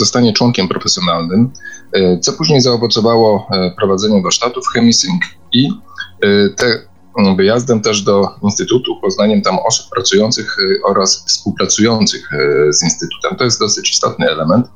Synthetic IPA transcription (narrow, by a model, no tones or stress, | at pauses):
zɔst̪aɲɛt͡ʂwɔŋkʲɛmpɾɔfɛsʲjɔnalnɘm | t̪sɔpuʑɲejzaɔvɔt̪sɔvawɔfpɾɔvad̪zɛɲɛvaɾʂt̪at̪ufxɛmʲisʲiŋk | i | t̪ɛ | vɘjazd̪ɛmt̪ɛʐd̪ɔinst̪ɘt̪ut̪upɔznaɲɛmt̪amɔsu̥pːɾat̪sujɔnt̪sɘxɔɾasfspuwpɾat̪sujɔnt̪sɘxzinst̪ɘt̪u̥t̪ɛmt̪ɔjɛst̪d̪ɔsɘt͡ɕi̥st̪ɔt̪nɘɛlɛmɛnt̪